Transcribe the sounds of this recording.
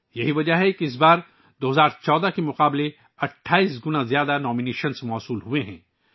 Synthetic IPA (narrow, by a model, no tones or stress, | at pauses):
jɐɦiʋɐd͡ʒaɦɛkiɪs̬baːɾ | d̪oːɦɐzaːɾt͡ʃɔːd̪akemʊqaːble | ɐʈʰːaːiːsɡʊnãzjaːd̪anɔːmineːʃənsmɔːsuːlɦueɦɛ̰̃ː